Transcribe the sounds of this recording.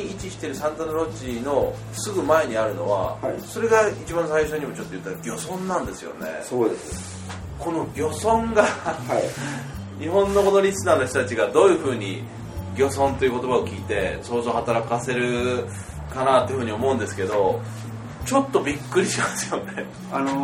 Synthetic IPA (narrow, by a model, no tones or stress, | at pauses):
it͡ɕiɕi̥t̪e̞ɾɯ̟sãnt̪anoɾo̞t͡ɕino̞ | sɨɡɯ̟mae̞ɲ̟iaɾɯ̟no̞β̞a̰so̞ɾe̞ɡait͡ɕibãnsaiɕo̞ɲ̟imo̞t͡ɕo̞t̪ːo̞jɯ̟t̪ːaɡʲo̞sõ̞nːãnd̪e̞sɨjo̞̰ne̞̰sod̪es | ko̞no̞ɡʲo̞sõ̞ŋɡa | ɲiɦõ̞nːo̞ko̞no̞ɾʲisɨnaːno̞çt̪ot̪at͡ɕiɡad̪o̞ːjɯ̟ɸɯ̟ːɲ̟ḭ | ɡʲo̞sõ̞nt̪o̞jiɯ̟ko̞t̪o̞bao̞kʲiːt̪e̞so̞ːzo̞ːhat̪aɾakase̞ɾɯ̟ | kanaːt̪ejɯ̟ɸɯ̟ɲ̟io̞mo̞ɯ̃nd̪e̞sɨ̥ke̞d̪o̞ | t͡ɕo̞t̪ːo̞bʲikːɯ̟ɾʲiɕimasɨ̥jo̞ne̞ | ano